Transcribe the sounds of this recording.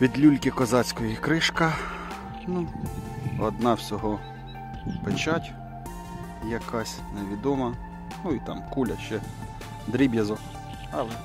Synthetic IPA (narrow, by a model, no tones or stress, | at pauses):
ʋʲid̪lʲulʲkʲɪkɔzɑt͡sʲkɔjikɾɪʃkɐ | nu | ɔd̪nɑwsʲɔɦɔ | pet͡ʃɑtʲ | jɐkʰɑsʲneʋʲid̪ɔmɐ | nuit̪ɑ̰mkulʲɐ̰ʃt͡ʃɛ | d̪ɾʲibjɐzɔ | ɐlˠɛ